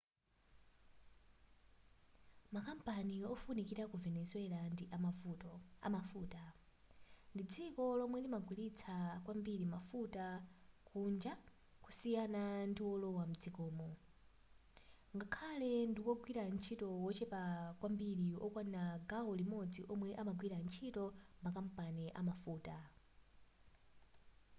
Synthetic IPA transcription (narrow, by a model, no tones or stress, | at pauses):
makampaniɔfunikiɾakuvɛnɛswɛlandiʔa | a̰mafuːta | ndid͡zikɔlɔmwɛlimaɡwilit͡sʰakwambiɾimafutakʰund͡ʒa | ku̥sijanandiwɔlɔwam̩d͡zikɔːmɔ | ŋɡakʰalɛndiwɔɡwiɾan̩t͡ʃʰitɔwɔt͡ʃɛpakwambiɾiɔ̰kwanaɡaɔlimɔd͡ziʔɔmwɛʔamaɡwiɾant͡ʃʰitɔmakam̩panɛʔamafuːta